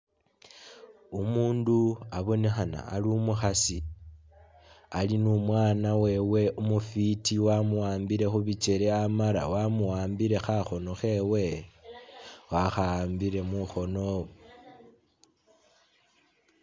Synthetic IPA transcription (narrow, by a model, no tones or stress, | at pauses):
umuːnduaβo̞nexana̰ːliumuxasi | alinumwaːnawe̞we̞ʔumufitiwamuwaːmbiɾe̞xuβit͡ʃe̞ɾeamaɾa̰wamuwaːmbiɾe̞xaxo̞no̞xe̞we̞ | waxaːmbiɾe̞muxo̞no